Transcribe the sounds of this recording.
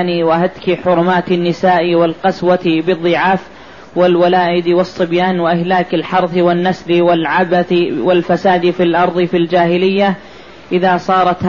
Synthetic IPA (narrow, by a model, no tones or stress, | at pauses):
niwaɦad̪kiħʊɾʊmaːt̪anːɪsaːʔiwɪlqɑswat̪bɨðˤːɨʕaːf | wɪlwalaːʔɪd̪wɑsˤːɨbjaːnwaʔɪhlaːkalħɑɾˤθwɪnːaslwalʕabat̪walfasaːd̪filʔɑɾˤðˤɨfild͡ʒaːhɪlɪjːa | ʔɪðaːsˤɑːɾˤɑt̪h